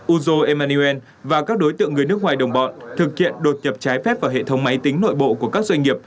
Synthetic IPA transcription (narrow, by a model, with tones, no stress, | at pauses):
ʔu˧zo˧ʔɛ˧maː˧ni˧ɛ˧n | vaː˨˩kaː˦˥k̚ɗo˨˦jt̪ɨ̰˧˨əŋːɨ˨˩əjnɨ˦˥ək̚ŋaː˨˩jɗə˨˩wŋ͡mɓɔ̰˧˨nt̪ʰɨ˨˩k̚hḭ˧˨ənɗo˨˩t̚ɲə˨˩p̚t͡ɕaː˨˦jfɛ˦˥p̚vaː˧˩ɦḛ˧˨t̪ʰə˨˦wŋ͡mma˨˦jt̪ï˨˦ŋ̟no̰˧˨jɓo̰˧˨ku˧˩əkaː˦˥k̚zwa˧jŋ̟ŋi˨˩əp̚